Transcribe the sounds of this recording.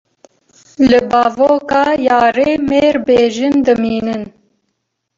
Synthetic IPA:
lɨbɑːvoːkɑːjɑːɾeːmeːɾbeːʒɨnd̪ɨmiːnɨn

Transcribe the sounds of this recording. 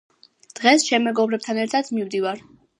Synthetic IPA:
d̪̥ʁɛsʃɛmːɛɡɔbɾɛb̚t̪ʰanɛɾt̪ʰat̪ʰmimd̪ivaɾ

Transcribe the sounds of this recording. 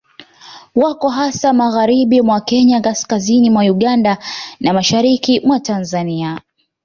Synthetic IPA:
wakɔɦasamaɣaɾiɓimwakɛɲakaskazinimwauɠandanamaʃaɾikimwatanzania

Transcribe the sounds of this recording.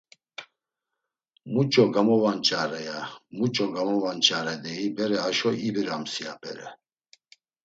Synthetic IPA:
mut͡ʃʼɔɡamɔvant͡ʃʼaɾɛjamut͡ʃʼɔɡamɔvant͡ʃʼaɾɛd̪ɛibɛɾɛɦaʃɔibiɾamsiapʼɛ̰ɾɛ̰

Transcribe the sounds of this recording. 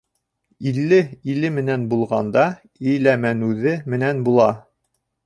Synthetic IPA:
ilːɘilɘmɘ̆nænbulˠʁɑ̰nd̪ɑ | ijlæmænʉðɘmɘ̆nænbulˠɑ

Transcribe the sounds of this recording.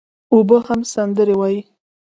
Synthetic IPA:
obəhamsand̪əɾewɑji

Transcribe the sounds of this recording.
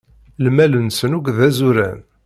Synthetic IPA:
lmælənsənuɡðæzuɾæ̰n

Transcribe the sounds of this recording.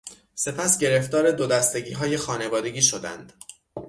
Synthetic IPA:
se̞pʰæsɟe̞ɾe̞ft̪ɒːɾe̞d̪od̪æst̪e̞ɟiːɦɒːje̞xɒːne̞vɒːd̪e̞ɡiːʃo̞d̪æ̰nd̪̥

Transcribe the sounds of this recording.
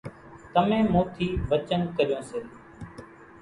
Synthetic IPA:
t̪əmẽːmõːt̪ʰiːʋət͡ʃənkəɾɪjõːseː

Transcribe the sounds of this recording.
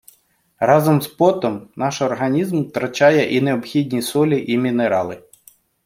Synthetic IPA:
rɑzɔmspɔt̪ɔmnɑʃɔrɦɐnʲizmt̪ɾɐt͡ʃɑjɛʔineɔbxʲidʲnʲisɔlʲiʔimʲineɾɑlˠɪ

